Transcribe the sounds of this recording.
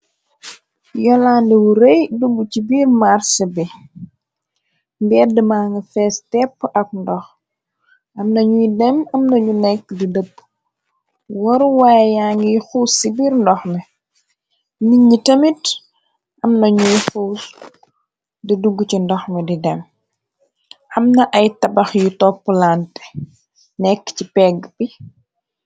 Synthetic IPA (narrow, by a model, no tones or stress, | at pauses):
jɔlandɛwuɾejduɡːucibiːrmaɾsəbi | mbɛdəmaːŋəfɛstɛpːʔɐk̚ndɔx | ʔɐmnɐɲujidɛmɐmnɐɲunɛkːdidəp̚ː | wɔɾuwaːjjaŋɡixuːsibiːɾndɔxmɛ | miɲitɐmit | ʔɐmnɐɲujxuːs | diduɡːt͡ʃindɔxmɛdidɛm | ʔɐmnɐʔɐjtɐbɐxjutɔpːəlantɛ̥ | nɛkːcipɛɡbi